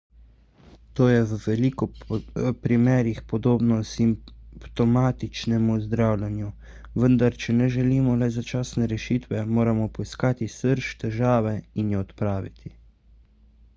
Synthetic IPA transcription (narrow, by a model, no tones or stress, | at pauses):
t̪oːjɛwʋɛliːkɔ | pɾimɛːɾixpɔd̪oːbnɔsimpt̪ɔmaːt̪it͡ʃnɛmuzd̪ɾawlʲɛnju | ʋənd̪aɾt͡ʃɛnɛʒɛliːmɔlɛzat͡ʃaːsnɛɾɛʃiːt̪ʋɛmoːɾamɔpɔiskaːt̪isəɾʃt̪ɛʒaːʋɛinjɛɔt̪pɾaːʋit̪ʰi